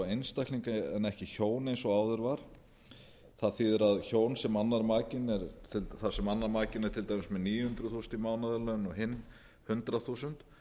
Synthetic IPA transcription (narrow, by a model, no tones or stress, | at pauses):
ejnst̪akliŋkaɛ̰nɛhcɪçoːwnejnsɔaːwðʏɾvaɾ̥ | θaðθiðɛɾaðçoːwnsɛmanːaɾmaːcɪnɛɾt̪ʰɪlθaɾsɛmanːaɾmaːcɪnɛɾ̥t̪ʰɪlt̪ajmɪsmɛðniːjʏhʏnt̪ɾʏθuːsnt̪imaːwnaðɛlœnɔɦɪnː | hʏnt̪ɾaθusʏnt̪